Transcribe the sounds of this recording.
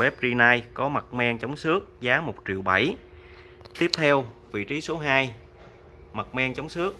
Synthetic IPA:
ɛ˦˥p̚zi˧naː˧jkɔ˨˦ma˨˩t̚mɛ˧ŋt͡ɕə˨˦wŋ͡msɨ˦˥ək̚zaː˨˦mo˨˩t̚t͡ɕi˨˩əwɓa˧˩j | t̪i˦˥əp̚t̪ʰɛ˧wvḭ˧˨t͡ɕi˨˦so˨˦ɦaː˧j | ma˨˩t̚mɛ˧ŋt͡ɕə˨˦wŋ͡msɨ˦˥ək̚

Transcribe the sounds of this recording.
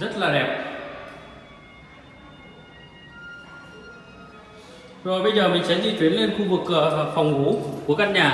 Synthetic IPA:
zə˦˥t̚laː˨˩ɗɛ˨˩p̚ | zo˨˩jɓə˧jzəː˨˩mï˨˩ŋ̟t͡ɕə˨˦nzḭ˧˨˩t̪wi˨˦ənle˧nxu˧vɨ˨˩kːɨ̰˧˨əva˨˩fɔ˨˩wŋ͡mvu˨˦ku˧˩əkaː˧n̚ɲaː˨˩

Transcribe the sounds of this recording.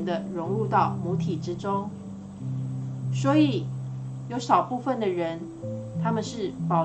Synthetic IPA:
nd̪ə˧ɻʊ˧˥ŋɻu˥˧t̪ɑ˥˨˩ʊmu˧˥t̪ʰi˨˩ʈ͡ʂɻ̩˥ʈ͡ʂʊ˥ŋ | swɔ˧˥i˨˩jo˧˥ʊʂɑ˨˩ʊpu˥˧fə˥˨nd̪ə˨ɻə˧˦n | t̪ʰa˥mə˨nʂɻ̩˥˩pɑ˨˩ʊ

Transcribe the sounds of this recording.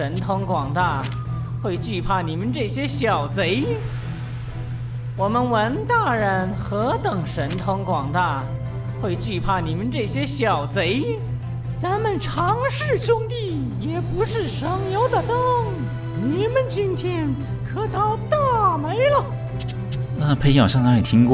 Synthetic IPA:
ə˧˥nt̪ʰʊ˥ŋkwɑ˨˩ŋt̪a˥˩ | xwe˥˧ɪt͡ɕy˥˧pʰa˥˩ni˨˩mə˦nʈ͡ʂɤ˥˩ɕjɛ˥ɕjɑ˨˩ʊt͡se˧˥ɪ | wɔ˨˩mə˧nwə˧˥nt̪a˥˩ɻə˧˥nxɤ˧˥t̪ɤ˨˩ŋʂə˧˥nt̪ʰʊ˥ŋkwɑ˨˩ŋt̪a˥˩ | xwe˥˧ɪt͡ɕy˥˩pʰa˥˩ni˨˩mə˧nʈ͡ʂɤ˥˩ɕjɛ˥ɕjɑ˨˩ʊt͡se˧˥ɪ | t͡sa˧˥nmə˨nʈ͡ʂʰɑ˧˥ŋʂɻ̩˥˩ɕʊ˥ŋt̪i˥˩ | jɛ˨˩pu˧˥ʂɻ̩˥˩ʂɤ˧˥ŋjo˧˥ʊd̪ə˨t̪ɤ˥˩ŋ | ni˨˩mə˨nt͡ɕi˥nt̪ʰjɛ˥n | kʰɤ˧˥˩t̪ɑ˧˥˩ʊt̪a˥˩me˧˥ɪlə˨˩ | na˥˩pʰe˧˥ɪjɑ˨˩ʂɑ˥ŋt̪a˧˥jɛ˨˩t̪ʰi˥ŋk

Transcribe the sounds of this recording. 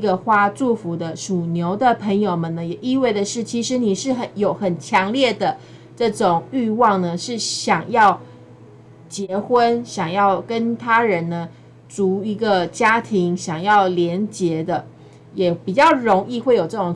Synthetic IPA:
ɡə˧xwa˥ʈ͡ʂu˥˩fu˧˥d̪ə˧ʂu˨˩njo˧˥ʊd̪ə˨pʰə˧˥ŋjo˨˩ʊmə˨nə˦jɛ˨˩ʔi˥˧we˥˩ɪd̪ə˩ʂɻ̩˥˩t͡ɕʰi˧˥ʂɻ̩˧˦ni˨˩ʂɻ̩˥˩xə˨˩njo˨˩ʊxə˨˩nt͡ɕʰjɑ˧˥ŋljɛ˥˩d̪ə˩ | ʈ͡ʂɤ˥˩ʈ͡ʂʊ˨˩ŋy˥˧wɑ˥˩ŋnə˩ʂɻ̩˥˩ɕjɑ˨˩ŋjɑ˥˩ʊ | t͡ɕjɛ˧˥xwə˦nɕjɑ˨˩ŋjɑ˥˩ʊkə˦nt̪ʰa˥ɻə˧˦nnə˧ | t͡su˧˥i˧˥ɡə˧t͡ɕja˥t̪ʰi˧˥ŋɕjɑ˨˩ŋjɑ˥˩ʊljɛ˧˥nt͡ɕjɛ˧˥d̪ə˧ | jɛ˨˩pi˨˩t͡ɕjɑ˥˩ʊɻo˧˥ŋi˥˧xwe˥˩ɪjo˨˩ʊʈ͡ʂɤ˥˩ʈ͡ʂʊ˨˩

